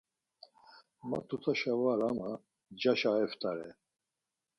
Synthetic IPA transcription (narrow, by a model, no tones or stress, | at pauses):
ma̰t̪ʰut̪ʰaʃavaɾama | d͡ʒaʃaɛft̪ʼaɾɛ̰